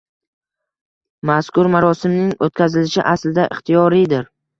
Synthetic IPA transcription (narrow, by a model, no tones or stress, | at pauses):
maskʊɾmaɾɒsɪmnɪŋot̪̚kʲazɪlɪʃɪʔaslɪd̪aʔɪχt̪ʰijɒɾijd̪ɪɾ